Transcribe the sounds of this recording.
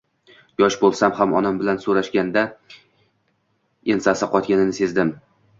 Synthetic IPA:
jɒʃbolˠsamhamɒnambɪlansoɾaʃɡʲand̪a | ensasɪqɒt̪̚ɡʲanɪnɪse̞zd̪ɪm

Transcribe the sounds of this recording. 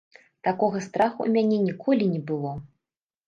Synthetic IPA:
t̪akɔɣɐst̪ɾaxṵṵmʲanʲɛnʲikʰɔlʲinʲɛbɨlˠɔ

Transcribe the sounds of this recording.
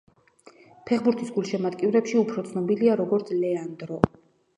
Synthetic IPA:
pʰɛχbuɾt̪ʰisɡulˠʃɛmat̪kʼivɾɛpʃiupʰɾɔt̪sʰnɔbiliaɾɔɡɔɾt̪sʰlɛand̪ɾɔ

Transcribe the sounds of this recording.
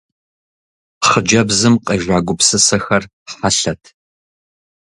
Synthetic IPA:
χəd͡ʒɐbzɨmqʼɐʒʷaːɡʷʊpsɨsɐxɐr | ħaɬɐtʰ

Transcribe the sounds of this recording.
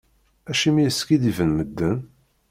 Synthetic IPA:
æʃimijəskid̪ivənməd̪ːən

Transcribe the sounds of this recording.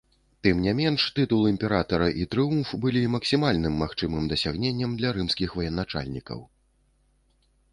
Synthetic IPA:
t̪ɨmnʲɛmʲɛnʂt̪ɨt̪ulˠimʲpʲɛɾat̪ɐɾɐʔit̪ɾɨumfbɨlʲimɐksʲimalʲnɨmːaxt͡ʂɨmɨmd̪ɐsʲaɣnʲenʲːɐmd̪lʲɐɾɨmsʲkʲixvɐjɛnat͡ʂa̰lʲnʲikɐ̰w

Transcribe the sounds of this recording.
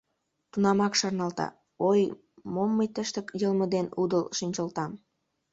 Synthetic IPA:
t̪unɑmɑkʃɑrnɑlt̪ɑ̰ | oj | momːəjt̪əʃt̪əkjəlməd̪enud̪əlʃinʲt͡ɕəlt̪ɑm

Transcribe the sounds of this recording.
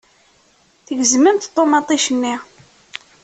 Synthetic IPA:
θəʝəzməmt̪t̪ˤːomɑt̪ˤiʃənːi

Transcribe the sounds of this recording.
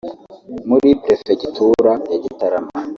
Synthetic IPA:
muɾipɾefeɡitʰuɾajaɟitaɾama

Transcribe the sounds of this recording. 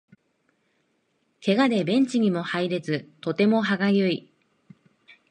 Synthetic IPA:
kʰe̞ɡad̪e̞bẽ̞ɲ̟t͡ɕiɲ̟imo̞haiɾe̞d͡zɨt̪o̞t̪e̞mo̞ɦaɡajɯi

